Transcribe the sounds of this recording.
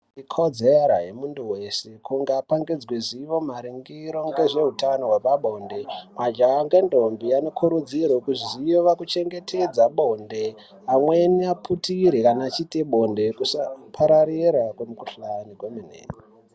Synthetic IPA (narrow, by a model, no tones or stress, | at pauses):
ikʰod͡zeɾaɦemunduwe̞sekuŋɡapaŋɡed͡zwiziʋo̞maɾiŋɡiɾo̞ŋɡe̞ʐe̞ɦutanoɦwapaɓo̞nde̞mad͡ʒaaŋɡendʱombiano̞kʰuɾud͡zirwokuʐizijoʋakut͡ʃe̞ŋɡe̞tʰed͡zaɓo̞nde | amweniapʰutiɾikanaːt͡ʃiteɓʱo̞nde̞kusapʰaɾaɾiɾakwemukuɬaniɡweminḛːŋi